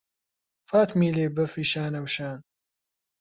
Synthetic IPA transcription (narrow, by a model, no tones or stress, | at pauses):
faːt̪miːleːbɐfiːʃaːnɐwʃaːn